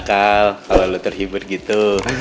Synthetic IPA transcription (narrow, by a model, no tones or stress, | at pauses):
kalkalalot̪ərɦibʊr̚ɡit̪u